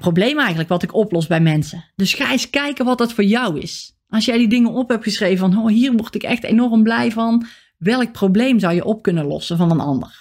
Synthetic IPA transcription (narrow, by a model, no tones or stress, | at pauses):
prowblejmɛjɣənləkʋɑtɪkɔplɔsbɛjmɛnsəd̥ɵsxaːɪskɛjkəʋɑt̚dɑtfʊːɹjɑwɪ̰s | ʔɑlˠsjɛjdidɪŋənɔpɦɛp̚tχəsrejvəvɑnɦoːɦiːrʋɔɹtɪkɛ̰xtḛjnɔrəmblɛjvɑn | ʋɛlˠək̚prowblejmzɑwjəʔɔp̚kɵnəlɔ̰səvɑnənɑ̰ndə̰r